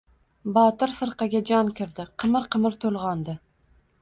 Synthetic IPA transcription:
bɒt̪ɪɾfɨɾqɑɡʲad͡ʒɒnkʲɪɾd̪ɪqʰɨmɪɾqʰɨmɪɾt̪ʰolˠʁɒnd̪ɪ

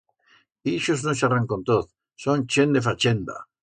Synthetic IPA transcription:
iʃoznoʃaraŋkont̪oθ | sont͡ʃend̪efat͡ʃend̪a̰

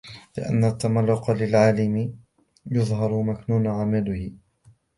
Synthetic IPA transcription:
lɪ̰ʔa̰nːat̪ːamalːʊqɑlɪlʕaːlɪmɪ | jʊðˤɦɑɾˤʊmaknuːnʕamalʊhɪ

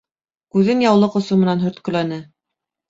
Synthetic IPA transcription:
kʉðɘnjɑwlˠɤqŏsumɤ̆nɑnɦɵ̆ɾt̪kɵ̆lænɘ

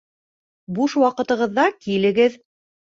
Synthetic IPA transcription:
buʃwɑqɤ̆t̪ɤ̆ʁɤ̆ðːɑkilɘ̆ɡɘð

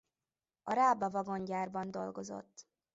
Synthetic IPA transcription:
ɒɾaːbɒvɒɡo̞ɲɟaːrbɒnd̪o̞lɡo̞zo̰t̪ː

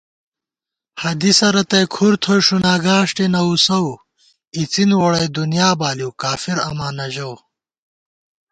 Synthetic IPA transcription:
hɐd̪isɐɾɐt̪ɐjkʰuɾt̪ʰojʂunaːɡaːʂʈenɐusɐw | it͡sinwoɽɐjd̪unjaːbaːliwkaːfiɾɐ̰maːnɐʑow

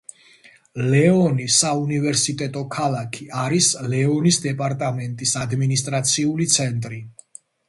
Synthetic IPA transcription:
lɛɔnisaunivɛɾsit̪ʼɛt̪ʼɔkʰalˠakʰiaɾislɛɔnisd̪ɛpʼaɾt̪ʼamɛnt̪ʼisad̪minist̪ʼɾat̪sʰiulit̪sʰɛnt̪ʼɾi

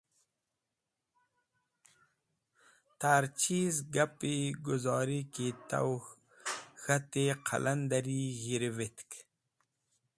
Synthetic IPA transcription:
t̪aːɾt͡ʃiːzɡapiɡʊzɑːɾikit̪a̰w | xat̪eqʰa̰lʔand̪aɾiːɣiɾvit̪k

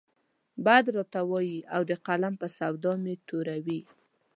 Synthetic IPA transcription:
bad̪ɾɑt̪awɑjiawd̪əqalampəsawd̪ɑmet̪oɾawi

